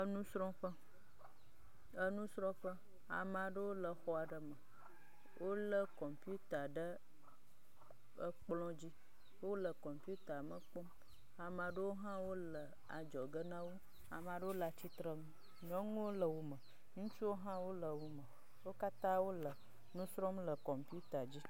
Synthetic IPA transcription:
ə˦nũ˦sɾɔ̃˦ɸə˦ | ə˦nũ˦sɾɔ̃˦ɸə˦ | a̰˨mã˨ɖə˦wo˦lə˨xɔ˦a˨ɖə˨mə̃˨ | wʔo˦lə˦kɔ˨mpu˦t̪a˨ɖə˦ | ə˦k͡plɔ̃˦d͡ʑi˦ | wo˦lə˨kɔ˨mpi˦u˦t̪a˨mə˨k͡pɔ˦m | a˨mã˨ɖə˦wo˦ɦã˦wo˦lə˨ | a̰˨d͡ʒɔ˨ɡə˦nã˦wo˦ | a̰˨mã˨ɖə˦wo˦la˨t͡ɕi˦t̪ɾə˦ŋũ˦ | ɲɔ̃˦ŋũ˦wo˦lə˨wo˦mə˨ | ŋũ˦t͡ʃu˦wo˦ɦã˦wo˦lə˨wo˦mə˨ | wo˦ka˦t̪ã˦wo˦lə˨ | nũ˦sɾɔ˦mlə˨kɔ˨mpi˦u˦t̪a˨d͡ʑi˦

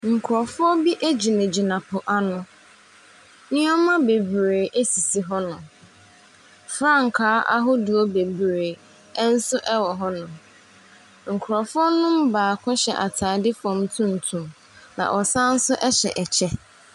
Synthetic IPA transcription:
ŋ̩˨kʰʊ˨ɾɔ˨fʊ˦ɔ˦bi˦ʔe˦d͡ʑi˨nɪ̃˨d͡ʑi˨nã˨pʰʊ˨ʔa˨nʊ̃˦ | nɪ̃˦ɔ˦mã˦be˨bɾeː˨ʔe˦si˨si˨ɦɔ˦nʊ̃˨ | fɾã˦ŋ̩˨kʰaː˨˦ʔa̰˦ɦʊ˦dʊ˨ɔ˦be˨bɾeː˨˦ | n̩˦sʊ˦ʔɛ˦wɔ˨ɦɔ˦nʊ̃˨ | ŋ̩˨kʰʊ˨ɾɔ˨fʊ˦ɔ˦nʊ̃˦m˦baː˨kʰʊ̃˦ɕɛ̰˨ʔa˨tʰaː˨dɪ˦fɔ̃˨m˦tʰũ˦n̩˨tʰũ˨m | nã̰˨ʔɔ˨sã˦n̩˦sʊ˦ʔɛ˦ɕɛ̰˨ʔɛ˨t͡ɕʰɛ˦

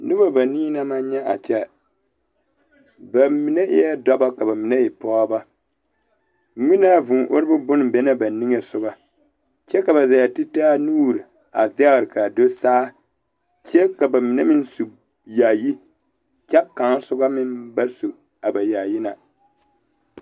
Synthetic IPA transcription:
nɨ˦ba˦ba˨niː˦na˦ma˦ɲɛ˦ʔa̰˨t͡ʃɛ˦ | ba˨mi˨nɛ˦ʔɪ˦jɛ˦dɔ˦ba˦ka˨ba˨mi˨nɛ˦i˨pɔː˦ba˦˨ | mi˦na˦vʊ˨ʔo˦ɾbʊ˦bʊ˦n˨bɛ˦na˦ba˨ni˦ŋe˨sʊ˦ɡa˦ | t͡ʃɛ˦ka˨ba˨za˨ja˨ti˦taː˦nuː˦˨ɾi˨ | a˨zɪ˦a˦ɣɾɨ˨ka˨do˦saː˦ | t͡ʃɛ˦ka˨ba˨mi˨nɛ˦mɪ˦n˦su˨ | ja˨ji˦ | t͡ʃɛ˦ka˨ŋ˦sʊ˦ɡa˦mɪ˦nba˦su˨ | a˨ba˨ja˨ji˦na˨

